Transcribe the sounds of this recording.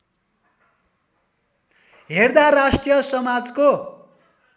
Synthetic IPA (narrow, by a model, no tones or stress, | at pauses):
ɦerd̪arasʈijʌsʌmad͡zko